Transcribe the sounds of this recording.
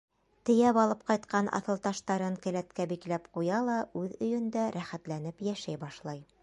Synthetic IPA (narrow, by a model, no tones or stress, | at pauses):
t̪ɘ̆jæpɒlˠɤp̚qɑjt̪qɑnʔɑ̰θɤ̆lˠt̪ɑʃt̪ɑɾɤŋkɘ̆læt̪kæbiklæpqujɑlˠɑʉðɵ̆jɘ̆nd̪æɾʔæχæt̪læn̪ɘpjæʃæjbɑʃlˠɑj